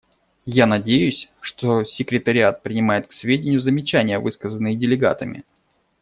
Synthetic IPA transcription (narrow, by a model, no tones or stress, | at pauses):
janɐdʲejʊsʲʂt̪o̞sʲɪkɾʲɪt̪əɾʲɪat̪̚pɾʲɪnʲɪmajɪt̪̚ksvʲedʲɪnʲɪjʊzəmʲɪt͡ɕænʲɪjəvɨskəzənːɨjɪdʲɪlʲɪɡa̰t̪əmʲɪ̰